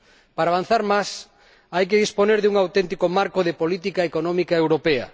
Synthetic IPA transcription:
paɾaβan̟θaɾmas | ajk̬eðisponeɾðuŋawt̪ɛnt̪ikomaɾkoðepolit̪ikaekonɔ̃mikaewɾopeɐ̰

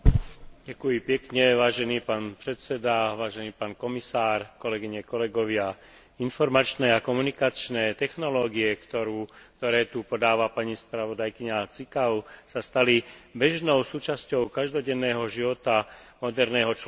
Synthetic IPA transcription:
ɟakujipɛkɲɛʋaːʒɛniːpaːnpɾɛt̪sɛd̪aʋaːʒɛniːpaːnkɔmisaːɾkɔlɛɡiɲɛkɔlɛɡɔʋɪa | infɔɾmat͡ʃnɛːakɔmunikat͡ʃnɛːt̪ɛxnɔlɔːɡiɛkt̪ɔɾuːkt̪ɔɾɛːt̪upɔd̪aːʋapaɲispɾaʋɔd̪ajkiɲat͡sikaʊsast̪alibɛʒnɔʊsuːt͡ʃascɔʊkaʒd̪ɔɟɛnːɛːɦɔʒiʋɔt̪amɔd̪ɛɾnɛːɦɔt͡ʃ

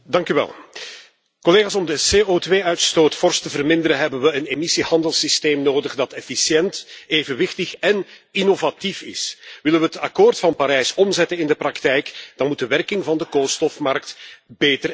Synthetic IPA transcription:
dɑŋkyʋɛ̰lˠ | kɔleːɣaːsɔmdəseːotʋeːœɥtstoːtfɔrstəvərmɪndəɾənɦɛbənʋəənemisihɑndəlˠsisteːmnoːdəɣdɑtɛfisjɛnteːvənʋɪxtəxɛninovatifɪ̰sʋɪlənʋəətɑkoːrtfɑnpaɾɛjsɔmzɛtənɪndəprɑktɛjkd̥ɑnmut̚dəʋɛrkɪŋvɑndəkoːlˠstɔfmɑrktbeːtər

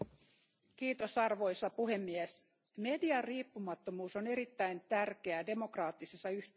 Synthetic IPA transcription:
kiːt̪o̞sɑrʋo̞jsɑpuɦe̞mːies | me̞diɑrriːpːumɑt̪ːo̞muːso̞ne̞ɾit̪ːæjnt̪ærk̟e̞æde̞mo̞krɑːt̪ːisesːɑyt̪

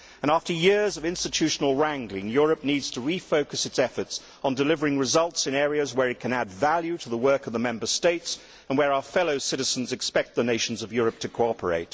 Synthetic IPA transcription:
ɨ̃næftə˞jɪɹzʌvɪ̃nstɨtʰʉʃn̩l̩ˠɹæ̃ŋɡlɪ̃ŋjʊɹɨp̚nidz̥tʰəɹifoʊkɨsɨtsɛfə˞ts | n̩dɨlɪvə˞ɪ̃ŋɹɨzʌlˠtsɨ̃nɛɹiɨzwə˞ɨt̚kʰɨ̃nædvælˠjʉɾəðəwɜ˞kʌvðəmɛ̃mbə˞steɪts | ə̃nwə˞aʊə˞fɛlˠoʊsɪɾɨzn̩zɨkspɛk̚t̪̚ðɨneɪʃn̩zʌvjʊɹɨp̚tʰɨkʰoʊɑpʰə̰˞ḛɪt

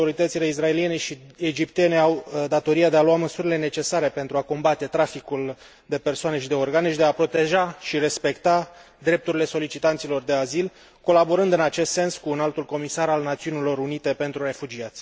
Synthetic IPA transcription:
o̞ɾit̪ət̪sile̞is̬rae̞lije̞ne̞ʃied͡ʒipt̪ene̞awd̪at̪o̞ɾiad̪e̞aluaməsuɾile̞ne̞t͡ʃe̞saɾe̞pe̞nt̪ɾuako̞mbat̪e̞t̪ɾafikul | d̪e̞pe̞rsoane̞ʃid̪e̞o̞rɡaneʃd̪eapɾo̞t̪e̞ʒaʃiɾe̞spe̞kt̪a | d̪ɾe̞p̚t̪uɾile̞so̞lit͡ʃit̪ant̪silo̞rd̪e̞azil | ko̞labo̞ɾɨnd̪ɨnat͡ʃe̞st̪se̞nskuːnalt̪ulko̞misaɾalnat̪siunilo̞ɾunit̪e̞pe̞nt̪ɾuɾe̞fud͡ʒiat̪sʲ

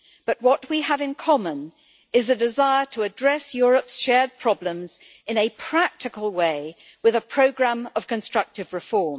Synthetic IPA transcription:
b̥ʌʔ̚wʌʔ̚wiəvɨ̃nkʰɑmə̃n | ɪzɨdɨzaɪə˞ɾʰəːdɹɛsjʊɹəpsʃɛɹd̚pʰɹ̥ɒblə̃mz | ɨ̃nɨpʰɹ̥æk̚tɨkəl̩ˠweɪ | wɨðəpʰɹ̥oʊɡɹæ̃mʌv̥kɨ̃nstɹ̥ʌk̚tɨvɹɨfɔɹm

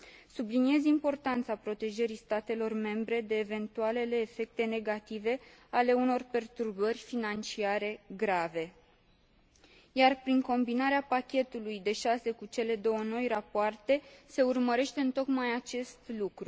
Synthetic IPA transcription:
sublinie̞zimpo̞rt̪ant̪sapɾo̞t̪e̞ʒəɾist̪at̪e̞lo̞rme̞mbɾe̞d̪e̞ːve̞nt̪uale̞le̞ːfe̞k̚t̪e̞ne̞ɡat̪ive̞ale̞uno̞rpe̞rt̪urbərʲfinant͡ʃiaɾe̞ɡɾave̞ | jarpɾiŋko̞mbinaɾeapakʲe̞t̪ulujd̪e̞ʃase̞kut͡ʃe̞le̞d̪o̞wəno̞jrapoart̪e̞se̞urməɾe̞ʃt̪e̞ɨnt̪o̞kmajat͡ʃe̞st̪lukɾu

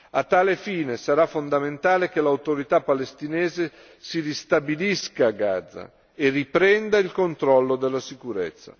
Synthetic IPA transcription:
at̪ːaːlefiːnesaɾafːond̪ament̪aːlek̟elawt̪oɾit̪apːalest̪inɛːze | sirist̪abiliskaːɡa̰d̪zːa̰ | eripɾɛnd̪ailkont̪ɾɔlːod̪elːasikuɾɛ̰t̪sːa̰

